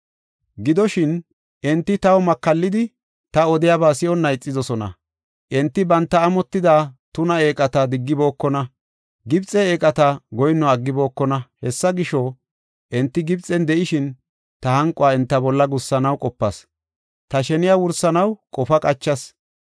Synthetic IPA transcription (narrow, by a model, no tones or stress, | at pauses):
ɡɪd̪ɔʃɪn | ʔɛnt̪ːɪt̪ɐwɔmɐkːɐlːɪd̪ɪ | t̪ɐɔd̪ɪjabaːsɪɔnːɐɪt͡sʼːɪd̪ɔsɔnɐ̰ | ʔɛnt̪ːɪbɐnt̪ːɐːmɔt̪ːɪd̪aːt̪ʊnɐe̞ːkʼɐt̪ɐd̪ɪɡːɪbo̞ːkːɔnɐ | ɡɪbt͡sʼɛeːkʼɐt̪ɐɡɔjnːɔɐɡːɪbo̞ːkːɔnɐhɛsːɐɡɪʃɔ | ʔɛnt̪ːɪɡɪbt͡sʼɛnd̪ɛʔɪʃɪn | t̪ɐhɐŋkʼɔaːɛnt̪ːɐbɔlːɐɡʊsːɐnɐwkʼɔpːɐs | t̪ɐʃɛnɪjawʊɾsɐnɐwkʼɔfɐkʼɐt͡ʃːɐs